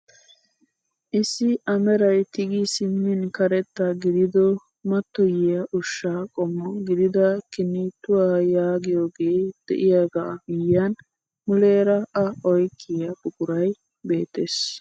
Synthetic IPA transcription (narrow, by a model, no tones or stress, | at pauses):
ʔɪsːɪʔɐmɛɾɐjt̪ɪɡɪsɪmːɪnkɐɾɛt̪ːɐɡɪd̪ɪd̪ɔ | mɐt̪ːɔjɪjɐʔʊʃːaːkʼɔmːɔɡɪd̪ɪd̪ɐkɪnːɪt̪ːʊwaːjaːɡɪjoːɡeːd̪̥ɛ̰ʔɪjaːɡabɪjːan | mʊleːɾɐɐɔjkʰʼːɪjɐbʊkʼʊɾɐj | be̞ːt̪ːes